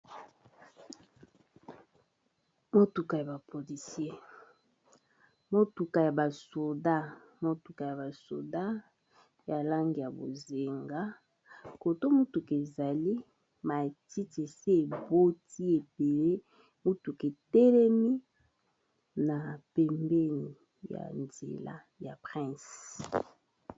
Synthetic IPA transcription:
mo˦tu˨ka˨ja˨ba˨pʰo˨li˨sje˦ | mo˦tu˨ka˨ja˨ba˨so˨da˦ | mo˦tu˨ka˨ja˨ba˨so̰˨da˦ | ja˨la˦ŋɡi˨ja˨bo̰˨ze˨ŋɡa˦ | ko˨to˦mu˦tu˨ke˨za˨li˦ | ma˨ti˦te˨se˦e˨bo˦ti˦e˨be˨le˦ | mu˦tu˨ke˨tɛ˦lɛ˦mi˦ | na˨pɛ˨mbɛ˦ni˨ | ja̰˨nzḛ˨la̰˦ | ja˨pʁɛ̃˦˨s

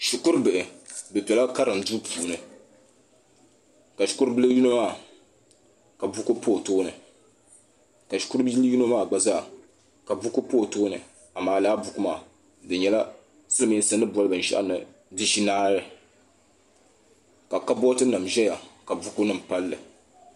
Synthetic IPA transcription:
ʃu˨kʊ˦ɾbɨ˨ʔɨ˨bɨ˨pɛ˨la˦ka˦ɾɨ˨m˨du˦pʰuː˨nɨ˨ | ka˨ʃu̥˦ku˦ɾbɨ˦lɨ˦ju˦nɨ˦maː˦˨ | ka˨bu˦ko˦poː˦˨toː˦nɨ˨ | ka˨ʃu̥˨˦ku˦ɾju˦no˦maː˦˨ɡ͡ba˦za˦˨ | ka˨bu˦kʊ˦poː˦˨toː˦nɨ̰˨ | a˨maː˨laː˦bʊ˦ku˦ma̰ː˨ | dɨ˨ɲɛ˨la˦ | sɨ˦lɨ˦mi˨˦sɨ˦nːɨ˦bɔ˦lɨ˦bɨ˨n̩˨ʃa̰˦ʔa̰˦nɨ̰˨ | dɨ˦ʃi˦naː˦ɾɨ˨ | ka˨ka˦bɔ˦tɨ˦nɨ˨mʒɛ˦ja˨ka˨bu˦kʊ˦nɨ˨m̩˨pa˦lːɨ̰˨

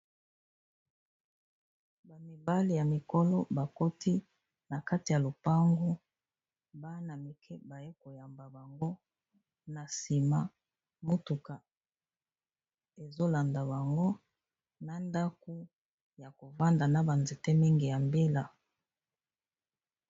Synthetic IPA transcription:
ba˨mi˨ba˦li˨ja˨mi˨kɔ˦lɔ˦ba˨ko˦tʰi˦ | na˨ka˦ti˨ja˨lo˨pa˦ŋɡo˦ | ba˦na˨mi˨kʰɛ˦ba˨je˦ko˨ja˨mba˨ba˨ŋɡo˦ | na˨si˨ma˨ | mo˦tu˨ka˨ | e˨zo˦la˨nda˨ba˨ŋɡo˦ | na˨nda˦ko˦ | ja˨ko˨va˦nda˨na˨ba˨nze˨te˦mi˦ŋɡi˨ja˨mbe˦la˨

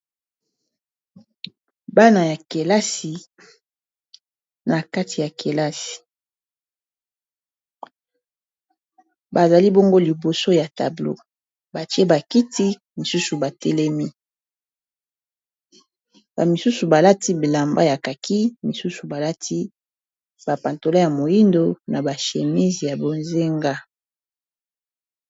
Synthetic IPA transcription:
ba˦na˨ja˨ke˨la˦si˨ | na˨ka˦ti˨ja˨ke˨la˦si̥˨ | ba˨za˨li˦bo˦ŋɡo˦li˨bo˨so˦ja˨ta̰˨blo̰˦ | ba˨ti˦e˦ba˨ki˦ti˦ | mi˨su˦su˨ba˨tɛ˦lɛ˦mi˦ | ba̰˨mi˨su˦su˨ba˨la˦ti˦bi˨la˨mba˦ja˨ka˨ki˦mi˨su˦su˨ba˨la˦tʰi˦ | ba˨pa˨nto˨la˦ja˨mo˨ji˦ndo˦na˨ba˨ʃe˨mi˦zi˨ja˨bo˨nze˦ŋɡa˦

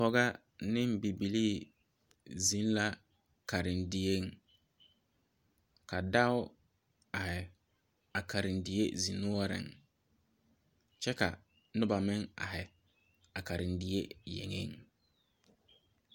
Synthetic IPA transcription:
ɔ˦ɣa˦ | nɪ˦m˦bi˨bi˨liː˦˨ | zi˨˦n˦la˦ | ka˨ɾɪ˨ndɪ˨e˦ŋ | ka˨da˦ʊ˦ | a˨hɪ˨ | a˨kʰa˨ɾɪ˨ndɪ˨je˦zi˨nu˦ɔ˦ɾɪ̰˨ŋ | t͡ʃɛ˦ka̰˨ | nʊ˦ba˨mɪ˦ŋa̰˨hɛ˨ | a˨ka˨ɾɪ˨ndɪ˦e˦jḛ˨ŋḛ˦ŋ

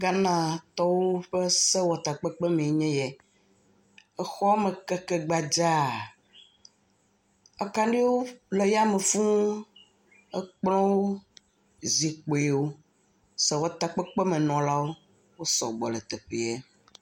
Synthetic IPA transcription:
ɡa˦nã˨t̪ɔ˦wo˦ɸɛ˦sɛ˦wɔ˨t̪a˨k͡pɛ˦k͡pɛ˦mẽ˨ɲɛ̃˦jɛ˨ | ɛ˦xɔ˦mɛ̃˨kɛ˦kɛ˦ɡ͡ba˨d͡ʒa˦ | a˨ka˦nɖi˦wo˦lɛ˨ja˦me˨fũ˦ | ɛ̰˦k͡plɔ̃˦wo˦ | zi˨k͡po˨ɛ˨wo˦ | sɛ˨wɔ˨t̪a˨k͡pɛ˦k͡pɛ˦mɛ̃˨nɔ̃˨la˦wo˦ | wo˦sɔ̰˨ɡ͡bɔ˨lɛ˨t̪ɛ˨ɸe˨ɛ˦

